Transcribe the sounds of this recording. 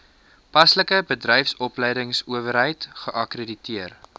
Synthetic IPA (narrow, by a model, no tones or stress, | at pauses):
pɐsləkəbədrɛjfsɔplɛjdəŋsuəvəɾɦəjtχəʔɐkreditiər